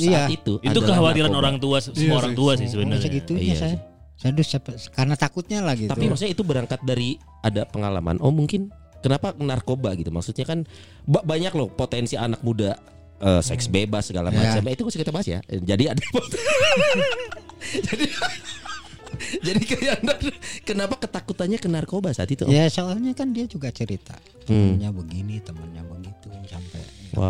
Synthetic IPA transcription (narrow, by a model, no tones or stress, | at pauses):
ait̪uʔia̰t̪udakəɦawat̪iɾanoɾaŋt̪uassəmuaoɾaŋt̪uas̬ɪsəbənəaɡit̪uiɲasaja | saadʊapkarnat̪akʊt̪̚ɲalahɡit̪apimaksutɲait̪ubəɾaŋkat̪̚daɾi | adapəŋala̰ma̰nʔo̰muŋkɪn | kənapanarkobaɡit̪umaksut̪̚ɲakan | babaɲaklɔpot̪ɛnsianak̚muda | ʔəsɛksbebasːəɡala̰mma̰t͡ʃamait̪ukasəkit̪abaɦasja̰d͡ʒadiadapot̪ | d͡ʒadia | d͡ʒadikaiandarkənapakət̪akut̪anɲakənarkobasa̰ːt̪it̪ṵjasoalɲakandiad͡ʒuɡat͡ʃəɾit̪a̰ | t̪əmənɲabəɡinit̪əmənɲabəɡit̪unsampɛ̰wa̰